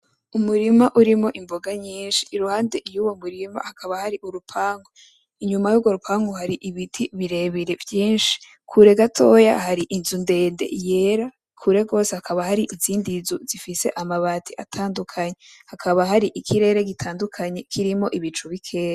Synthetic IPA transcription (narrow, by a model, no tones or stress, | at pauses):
umuɾimaʔuɾimo̞ʔimbo̞ɡaɲiːnʃi̥ːɾuhaːnde̞juwo̞muɾima̰hakʰaβahaɾiʔuɾupʰaːŋɡo | iɲumajuːɡwo̞ɾupʰaːŋɡohaɾiʔiβitʰiβiɾe̞βiɾe̞vjiːnʃi̥ | kʰuɾe̞ɡatʰo̞ja̰haɾiʔinzunde̞ːnde̞̰je̞ɾa | kʰuɾe̞ɡo̞ːsehakʰaβahaɾiʔiziːndizuzifise̞ʔamaβatʰiʔatʰaːndukʰaɲehakʰaβaɦaɾiʔikʰiɾe̞ːɾe̞ɡitʰaːndukʰaɲe̞kʰiɾimo̞ʔiβit͡ʃuβikʰe̞ːɾa